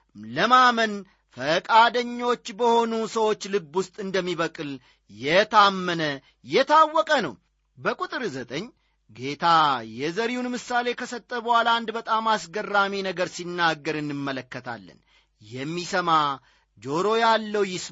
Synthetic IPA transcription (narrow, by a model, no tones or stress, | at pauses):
ləmamən | fəkʼad̪əɲːo̞t͡ʃːbəho̞nusəwo̞t͡ʃːlɨbːʊst̪ʼɨnd̪əmːiβəkʼɨl | jɛt̪ʰamːənə | jɛt̪ʰawːɔkʼənə̰w | bəkʼut̪ʼɨɾzət̪ʼəɲː | ɡe̞t̪ʰajɛzəɾiunmɨsale̞kʰəsət̪ʼːəβəwaland̪bət̪ʼamasɡərːaminəɡəɾsinːaɡːəɾɨnːɨmːələkːət̪ʰa̰lːə̰n | jɛmːisəma | d͡ʒo̞ɾo̞jalːəwjɪs